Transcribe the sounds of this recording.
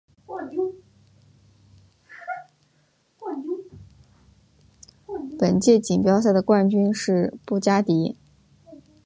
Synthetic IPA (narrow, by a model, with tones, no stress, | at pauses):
pə˨˩nt͡ɕjɛ˥˩t͡ɕi˨˩ŋpjɑ˥ʊɕ̬ja˥˩d̪ə˩kwa˥˩nt͡ɕy˥nʂɻ̩˥˧pu˥˩t͡ɕja˥t̪i˧˥